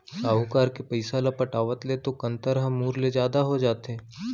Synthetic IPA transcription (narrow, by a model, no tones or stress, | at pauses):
saːukaːɾkepɐɪsalapɐʈaːʋət̪let̪okɐ̃nt̪əɾɦɐ̃muːɾled͡ʒjaːd̪aɦod͡ʒaːt̪ɦɛ̃ː